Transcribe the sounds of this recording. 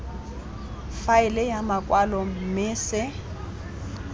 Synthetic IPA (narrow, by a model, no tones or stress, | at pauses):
faɪlɛjamakʼwalɔm̩mɪːsɪ